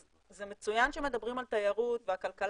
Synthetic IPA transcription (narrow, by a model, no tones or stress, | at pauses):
zemet͡sujanʃeme̞d̪abʁimalt̪ajaʁutveakalkal